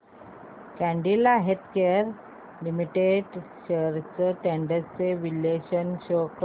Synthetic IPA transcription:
kæ̃ɳɖilaɦed̪keəɾ | limiʈeɖɕəɾt͡səʈeɳɖəst͡seʋileɕənɕok

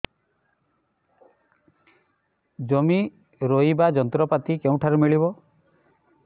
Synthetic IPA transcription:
d͡ʒɔmi | ɾoibad͡ʒɔnt̪ɾɔpat̪ikeũʈʰaɾumiɭibɔ

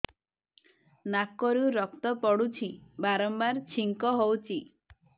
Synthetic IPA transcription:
nakɔɾuɾɔk̚t̪ɔpɔɽut͡ʃʰibaɾɔmbaɾt͡ʃʰiŋkɔɦowt͡ʃʰi

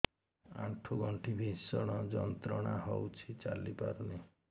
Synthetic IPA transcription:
a̰ʈʰuɡʱɔɳʈʰibʱisɔɽ̃ɔd͡ʒɔnt̪ɾɔɽ̃aɦowt͡ʃʰit͡ʃalipaɾuni

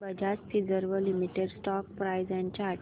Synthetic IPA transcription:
bəd͡ʑat͡sfʰid͡zəɾʋəlimiʈeɖsʈɔkpɾajzjãɲt͡ɕaː

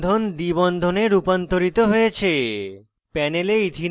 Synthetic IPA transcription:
d̪ʱond̪ibɔnd̪ʱoneɾupɔnt̪oɾit̪oɦoet͡ɕʰe | pɛneleid̪ʱin

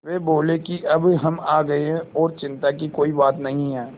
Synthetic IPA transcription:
ʋeːboːlekiʔɐbɦɐmaːɡɐeɦɛ̃ɔːɾt͡ʃɪ̃nt̪ak̬ikoːibaːt̪nɐɦĩɦɛː

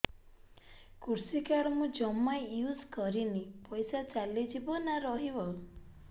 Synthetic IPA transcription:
kuɾsikaɾɔmũd͡ʒɔmːajjuzkɔɾinipɔjsat͡ʃalid͡ʒibɔnaɾɔɦibɔ

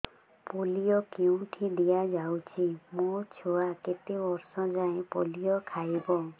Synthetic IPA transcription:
poliɔkeũʈʰid̪ijad͡ʒawt͡ʃʰimot͡ʃʰuaket̪ibɔɾsɔd͡ʒaẽpolijɔkʰajbɔ

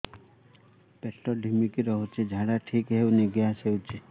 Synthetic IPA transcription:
pɛʈːɔɖʱimikiɾɔɦot͡ʃʰed͡ʒʱaɽaʈʰikɦeuneɡejaseut͡ʃʰe

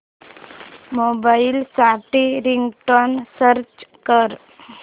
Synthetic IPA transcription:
mobailsaʈiɾiŋɡʈɔnsəɾt͡ɕkəɾ

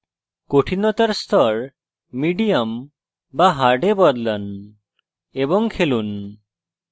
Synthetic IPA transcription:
koʈʰinɔt̪aɾst̪ʰɔɾ | miɖijam | baɦaɾɖebɔɾlən | ebɔŋkʰelun

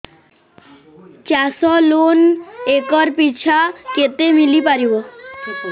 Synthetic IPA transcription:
t͡ɕɛsɔlonekɔɾpit͡ɕʰaket̪emilipaɾibo

